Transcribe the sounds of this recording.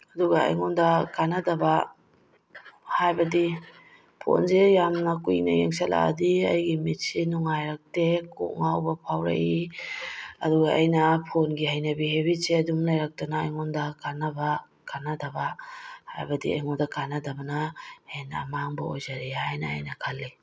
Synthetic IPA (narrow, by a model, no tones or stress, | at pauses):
ɐduɡaa̰jŋɔndɐkanadɐba | hajbɐdi | pʰo̰nzejamnɐkujnɐ̰jeŋsala̰a̰diɐ̰jɡimit̚sinuŋajɾak̚teko̰ʔŋawbɐpʰawɾa̰ʔi | ɐduɡaʔːjnɐpʰonɡihajnabiheβiseɐdumlajɾak̚tanaːjŋɔndɐkanaba | kanadabahajbɐdia̰jŋɔndɐkanadɐbɐnɐena̰maŋbaojzaɾihajna̰ːjnɐkʰalːi